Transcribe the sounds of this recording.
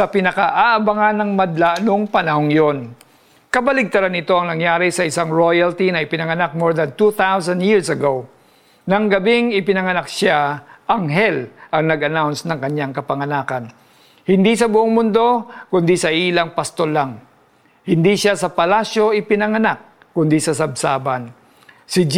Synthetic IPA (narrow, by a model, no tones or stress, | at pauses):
sɐpɪnɐkaʔaʔɐbaŋanːɐŋmɐd̪laʔnoŋpɐnɐɦo̞ŋjon | kɐbɐlɪɡ̚t̪ɐɾanɪt̪o̞ɐŋnɐŋjaːɾɪsɐɪsaŋɹojɐlt̪inɐɪpɪnɐŋɐnak̚moɹd̪ɐnt̪uθawsɐnd̪jiɹsɐɡow | nɐŋɡɐbɪŋɪpɪnɐŋɐnak̚ʃaʔɐŋɦɛlʔɐŋnɐɡʔɐnawnsnɐŋkɐɲːaŋkɐpɐŋɐnaːkɐn | hɪnd̪isɐbʊʔoŋmʊnd̪o̞kʊnd̪isɐʔiːlɐŋpɐst̪olaŋ | hɪnd̪iʃasɐpɐlasjo̞ʔɪpɪnɐŋɐnak̚ːʊnd̪isɐsɐb̚saːbɐn | sɪd͡ʒ